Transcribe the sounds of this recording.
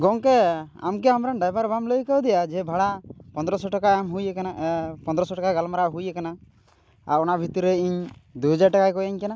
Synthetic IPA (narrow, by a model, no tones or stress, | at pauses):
ɡɔŋkɛa̰mk̬ɛamɾanɖajbaɾbamləjkɔwd̪ɛjad͡ʒɛbʱaɽapɔnd̪ɾɔsɔʈakaamɦuknapɔnd̪ɾɔsɔʈakaɡalmaɾaɦujekana | a̰ɾɔnabʱit̪ɔɾeiɲd̪uɦɔd͡ʒaɾʈakajkɔjiɲkana